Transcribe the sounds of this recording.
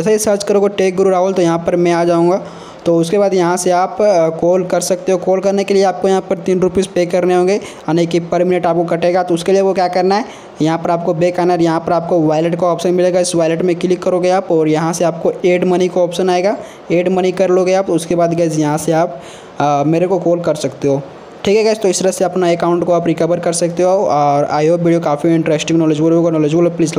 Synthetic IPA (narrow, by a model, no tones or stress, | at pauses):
ɛːsaisɐɾt͡ʃkɐɾoːɡoʈeːk̚ɡɾuɾaːɦolt̪ojɐɦãpɐɾmɛ̃aːd͡ʒaːũːŋɡaː | t̪oʊskebaːd̪jɐɦãseaːpkoːlkɐɾsɐk̚t̪eɦokoːlkɐɾnekelieaːp̚kojɐɦãpɐɾt̪iːnɾʊpiːspeːkɐɾneɦõːɡe | aneːkipɐɾmɪnəʈaːp̚kokɐʈeːɡat̪oʊskelieʋokjaːkɐɾnaɦɛ | jɐɦãpɐɾaːp̚kobeːkaːnəɾjɐɦãpɐɾaːp̚koʋaːɪleʈkoɔːpʃənmɪleːɡaɪsʋaːɪleʈmẽkɪlɪkːɐɾoɡeaːpɔːɾjɐɦãseaːp̚koeːɖmɐnikoɔːpʃənaːeɡaː | eːɖmɐnikɐɾloɡeaːp̚t̪oʊskebaːd̪ɡɛːzjɐɦãseaːp | meːɾekokoːlkɐɾsɐkt̪eɦoː | ʈʰiːkɦɛɡɛːst̪oɪst̪əɾɐseɐpnaekaːʊ̃ɳʈkoaːpɾɪkəʋəɾkɐɾsɐk̚t̪eɦoɔːɾa̰ːjobiɖijokaːfiɪ̃ɳʈɾeːsʈɪ̃ŋnɔːləd͡ʒbolɦoːɡanɔːled͡ʒbolopliːzl